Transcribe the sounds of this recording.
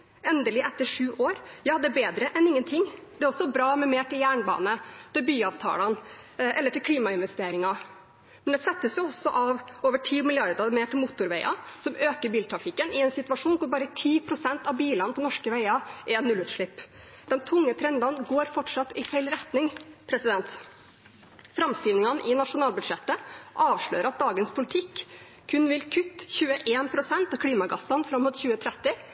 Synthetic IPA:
ɛnd̪əlɪʔɛt̪ːəʂʉːʔoːɾjɑːd̪ɛæbeːd̪ɾəʔɛnɪŋːənt̪ʰɪŋːd̪ɛæɾɔsːɔbɾɑːmɛmeːʈʰɪljæːɳbɑ̰ːnət̪ɪlbyːɑʋt̪ʰɑ̰ːlɑn | ʔɛləʈɪlkʰliːmɑɪnʋɛst̪eːɾɪŋɑ | mmɛnd̪ɛsɛt̪ːəsjʊɔsːɔʔɑʋoːʋəʈʰiːmɪlɪɑɾd̪ɑmeːʈʰɪlmʊːt̪ʊɾʋæɪʔɑ̰sɔmøːkəɾbiːlt̪ʰɾɑfɪkːənɪɛnsɪt̪ʉʋɑʂuːnkʊɾbɑːɾət̪ʰiːpʰɾʊsɛnt̪ɑʋbiːlɑnpʰɔnɔʂkəʋæɪɑʔɛɛnnːʉlʉːt̪ʂɭɪpː | d̪̥ɛnt̪ʰʊŋːət̪ʰɾɛnd̪ɑnɡoːɾfɔʈʂɑt̪ːɪfæɪlɾɛt̪nɪŋpʰɾɛsɪd̪ɛnt̪ | fɾɑmst̪iːʋnɪŋɑnʔɪnɑʂʊnɑːlbʉd̪ʂɛt̪ːəʔɑːʋʂɭø̰ːɾəɾɑt̪̚d̪ɑːɡənspʰʊlɪt̪ʰɪkːʰ | ʉnʋɪlkʰʉt̪ːçʉːəʔeːnpʰɾʊsɛnt̪ɑʋkʰɽiːmɑɡɑsːɑnfɾɑmːʊt̪çʉːət̪ʰɾɛt̪ːɪ

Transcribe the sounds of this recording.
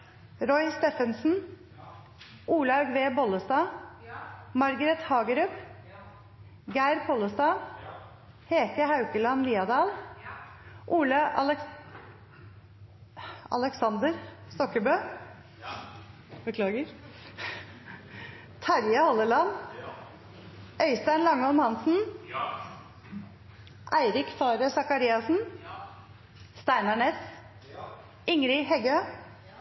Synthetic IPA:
ɾɔʏst̪eːfənsn̩ | ʔuːlɑɡʋeːbɔləst̪ɑː | mɑɾɡəɾɛt̪hɑːɡəɾʉp | ɡæɪɾpʰɔːləst̪ɑː | heːkəhɑʉkəlɑnliːɑd̪ɑːl | ʔuːlə | ɑ̰ləksɑnd̪əɾst̪ɔkːəbøː | bəkʰlɑːɡəɾ | t̪ʰæɾjɑhɔlːəlɑn | ʔœʏst̪ænlɑŋːɔnhɑnsn̩ | ʔæɪɾɪkfɑːɾəsɑkɑɾiːɑsn̩ | st̪æɪnɑɳeːs | ɪŋɾɪɦɛɡøː

